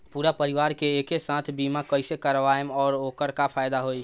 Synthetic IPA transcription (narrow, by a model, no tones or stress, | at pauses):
puɾapəɾiʋaːɾkeekesãt̪ʰbimakəɪsekəɾʋajmɔːɾokəɾkapʰajd̪aɦoj